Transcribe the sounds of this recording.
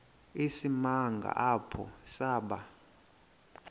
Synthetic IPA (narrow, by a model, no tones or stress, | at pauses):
isimaŋɡʱa̰ʔapʰɔ̰saːɓa